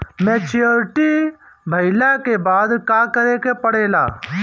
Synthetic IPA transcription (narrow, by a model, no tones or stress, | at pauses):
mɛ̃ːt͡ʃɪjoɾʈiː | bʱəɪlaːkeːbaːd̪kaːkəɾeːkeːpəɽeːla̰ː